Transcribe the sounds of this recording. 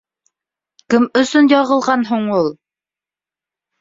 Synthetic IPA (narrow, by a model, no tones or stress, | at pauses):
kɘmɵ̆sɵnjɑʁɤ̆lˠʁɑnɦuɴulˠ